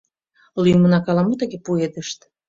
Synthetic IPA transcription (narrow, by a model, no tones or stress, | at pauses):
lyjmənɑkɑlɑmot̪əɣepued̪əʃt̪